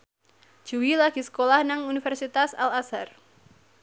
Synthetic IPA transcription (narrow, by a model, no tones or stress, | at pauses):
ʒ̥uwilaɡ̥isə̥kolahnaŋunifɛrsit̪asa̰lasar